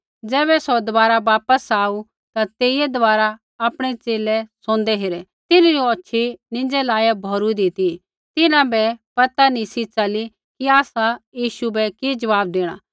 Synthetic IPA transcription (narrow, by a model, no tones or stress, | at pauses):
d͡zɛːbɛsod̪ʋaːɾaʋaːpəsaːu | t̪at̪eːiɛd̪ɔʋaːɾa | aːpɽ̃ɛt͡ʃeːlɛsõːnd̪ɛɦeːɾɛ | t̪ɪnuɾioɐtːʃʰinɪ̃nd͡ʒɛlaːjabʱɔːɾud̪ɪt̪i | t̪ɪnãbɛpɐt̪anĩsit͡ʃɐli | kiaːsajiːʃubɛkid͡ʒɐʋaːb̚d̪eːɽ̃aː